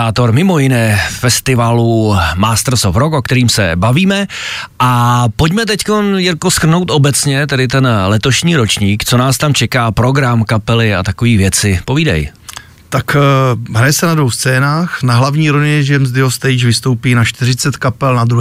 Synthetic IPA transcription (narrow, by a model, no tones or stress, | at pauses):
aːt̪o̞ɾmɪmo̞jɪnɛfɛst̪ɪvalumaːst̪ɾ̩sofɾo̞ko̞kt̪ɛɾiːmsɛ̰baviːmɛʔapoc̬mɛt̪̬ɛcko̞njako̞skr̩no̞wt̪ʔo̞bɛt͡sɲɛt̪ɛdɪt̪ɛnlɛt̪o̞ʃɲiːɾo̞t͡ʃɲiːkt͡so̞naːst̪amt͡ʃɛkaːpɾo̞ɡɾamkapɛlɪa̰t̪akoviːvjɛt͡sɪpo̞viːda̰j | t̪akɦɾajɛsɛnadvowst͡sɛːnaːxnaɦlavɲiːɾoɲɪɲɛʒɛmzd̪ɪɦost̪ɛjd͡ʒvɪst̪owpiːnaʃt̪ɪɾɪt͡sɛt̪kapɛlnad̪ɾu